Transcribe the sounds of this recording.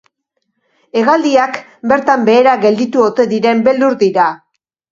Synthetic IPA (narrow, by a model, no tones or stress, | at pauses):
e̞ɣald̪iak | be̞ɾt̪ambe̞ːɾaɣe̞ld̪it̪uo̞t̪e̞ðiɾe̞mbe̞ld̪uɾðiɾa